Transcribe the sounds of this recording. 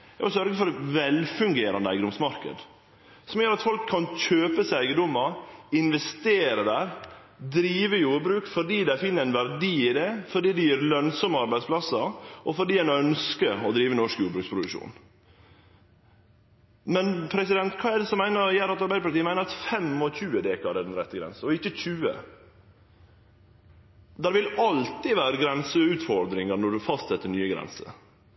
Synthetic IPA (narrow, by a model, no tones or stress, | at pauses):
ɔsœɾɡəfɔɾʋɛlfʉŋɡeːɾɑ̰nd̪əæɪɡəɔmsmɑɾkə̰d̪ | sɔmjøːɾɑt̪fɔlkʰːɑnçøːpəsæɪɡəd̪ɔməɪnʋɛst̪eːɾəd̪æːɾ | d̪ɾiːʋəjuːɾbɾʉːkfɔɖiːd̪æɪfɪnːəɾæɪnʋæɾd̪iːɪd̪ɛfɔɖiːd̪ɛjøːɾlœnsɔməɑɾbæɪd̪splɑsəʔɔfɔɖiːæɪnœnskəɔd̪ɾiːʋənɔʂkjuːɾbɾʉːkspʰɾʊd̪ʉʂṵːn | mɛnpʰɾɛsɪd̪ɛnt̪kʰɑːɛd̪ɛsɔmːæɪnəɾjæːɾɑt̪ɑɾbæɪəpʰɑɾt̪iːəmæɪnəɾɑt̪fɛmɔçʉːəd̪eːkɑɖɛd̪ɛnɾɛt̪ːəɡɾɛ̰nsəɔɪçːəçʉːə̰ | d̪æɾʋɪlɑlt̪ɪʋæːɾəɡɾɛnsəʉːt̪fɔɾd̪ɾɪŋənɔɖʉfɑst̪sɛt̪ːəɳyːəɡɾɛ̰nsə̰